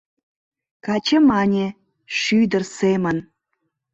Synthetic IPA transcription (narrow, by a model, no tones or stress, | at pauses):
kɑt͡ɕĕmɑnʲe | ʃyd̪ərsemə̆n